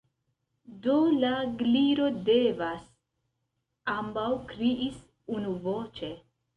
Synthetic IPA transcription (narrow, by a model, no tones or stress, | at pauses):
d̪olaɡliɾod̪evas | ambawkɾiʔis | unuvot͡ʃe